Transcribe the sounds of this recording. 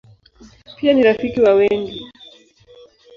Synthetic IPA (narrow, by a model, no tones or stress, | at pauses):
pianiɾafikiwawɛŋɡi